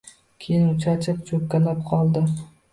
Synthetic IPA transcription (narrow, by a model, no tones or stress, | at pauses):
kʲʰejɪnʊt͡ʃʰat͡ʃʰɪpt͡ʃʰɵk̚ʲkʲːalap̚qʰɒlˠd̪ɪ